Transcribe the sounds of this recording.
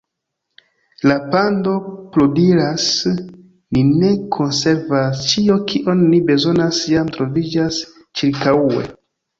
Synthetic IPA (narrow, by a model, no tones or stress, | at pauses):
lapando̞pludiɾas | nine̞kʰo̞nse̞ɾvast͡ʃio̞kʰiʔo̞nːibe̞zo̞nasjamtɾo̞vid͡ʒas | t͡ʃiɾkae̞̰